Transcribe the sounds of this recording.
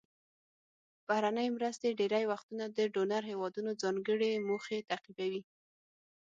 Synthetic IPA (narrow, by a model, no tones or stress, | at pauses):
b̥ahɾanəjmɾəst̪eɖeɾajwaxt̪unad̪əɖonaɾɦewɑd̪unod͡zɑŋɡəɽemoxet̪aqibawi